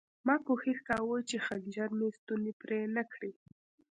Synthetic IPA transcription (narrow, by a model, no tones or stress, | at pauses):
mɑpoxixkɑwot͡ʃexaɡd͡ʒaɾmest̪unepɾenakɽi